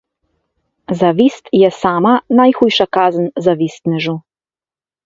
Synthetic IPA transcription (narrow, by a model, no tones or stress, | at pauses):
zaʋiːst̪jɛsaːmanajxuːjʃakaːzənzaʋist̪nɛʒu